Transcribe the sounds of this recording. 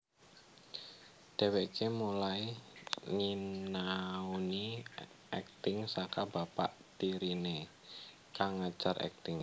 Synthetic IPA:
d̥awekʰemulaiŋinauni | ɛk̚t̪ɪŋsakabapa̰ʔt̪iɾine | kaŋːat͡ʃarɛ̰k̚t̪ɪŋ

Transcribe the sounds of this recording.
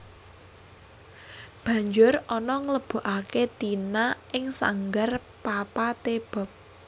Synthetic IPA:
b̥ä̤ɲd͡ʒʊrɔnɔŋləb̥o̤ʔaket̪inaʔɪŋsa̰ŋɡar | papat̪eb̥ɔ̤p̚

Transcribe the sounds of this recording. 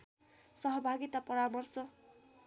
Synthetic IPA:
sʌɦʌbʱaɡit̪apʌɾamʌrsʌ

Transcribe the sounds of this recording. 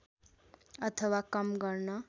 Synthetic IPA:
ʌt̪ʰʌwakʌmɡʌrnʌ

